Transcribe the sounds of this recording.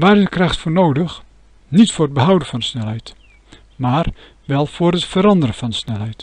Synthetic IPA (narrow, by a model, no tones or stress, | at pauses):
ʋaːɾɪsdəkrɑxtfʊːrnowdəx | nitfʊːrəd̚bəɦʌwdənfɑnsnɛlˠɦɛjt | maːr | ʋɛlˠfʊːɾətfəɾɑndəɾənfɑnsnɛlˠɦɛjt